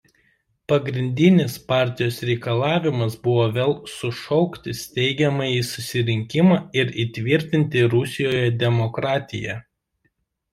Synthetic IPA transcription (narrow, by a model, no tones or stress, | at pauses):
pɐɡɾʲɪnʲd̪ʲɪnʲɪspɑˑɾʲt̪ʲɪjoːsɾʲɛɪkɐlˠɑːʋʲɪmɐsbʊʋoːʋʲeːlˠsʊʃɔʊkt̪ʲɪst̪ʲɛɪɡʲɛmɐiːsʊsʲɪɾʲɪŋʲkʲɪmɑːɪɾit̪ʲʋʲɪɾʲt̪ʲɪnʲt̪ʲɪɾʊsʲɪjoːjɛd̪ʲɛmɔkɾɑːt̪ʲɪ̰jɛ̰